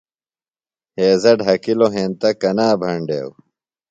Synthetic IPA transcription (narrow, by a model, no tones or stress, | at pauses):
heːzɐɖɦɐkiloɦẽːnt̪ɐkɐnaːbʱɐɳɖḛːw